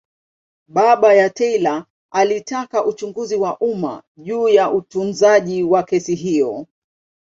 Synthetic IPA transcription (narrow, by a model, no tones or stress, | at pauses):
ɓaɓajatɛila | alitakaʔut͡ʃuŋɡuziwaʔuma̰ʄuːjaʔutunzaʄiwakɛsiɦijɔ